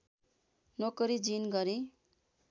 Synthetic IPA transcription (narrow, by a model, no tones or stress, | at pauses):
nokʌɾid͡zinɡʌɾi